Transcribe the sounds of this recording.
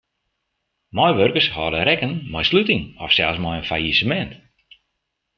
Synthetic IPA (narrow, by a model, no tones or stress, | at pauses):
mɔjʋørkərshɔdəɾɛkənmɔjslytɪŋɔfsɛlˠsmɔjənfajisəmɛnt